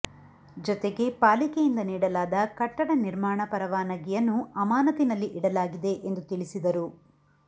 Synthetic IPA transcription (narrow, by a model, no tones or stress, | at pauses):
d͡ʒɔt̪eɡe̞paːlikejind̪ɐniːɽɐlaːd̪ɐkɐʈːɐɽɐniɾmaːɳɐpɐɾɐʋaːnɐɡijɐnːuɐmaːnɐt̪inɐlːiʔiɽɐlaːɡid̪e̞ʔend̪ut̪iɭisid̪ɐɾu